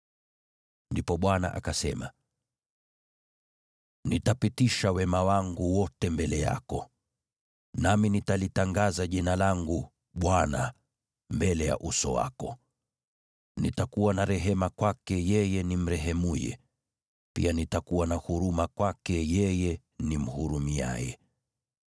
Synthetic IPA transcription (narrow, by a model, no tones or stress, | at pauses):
ndipɔɓwana̰ʔa̰kasɛma̰ | nitapitiʃawɛmawaŋɡuwɔtɛmbɛlɛja̰kɔ | naminitalitaŋɡazaʄinalaŋɡu | ɓwana | mbɛlɛja̰ʔusɔ̰wa̰kɔ | nḭtakuwanaɾɛɦɛmakwakɛjɛjɛnim̩ɾɛɦɛmujɛ̰ | pḭanitakuwanahuɾumakwakɛjɛjɛ | nim̩huɾumia̰jɛ̰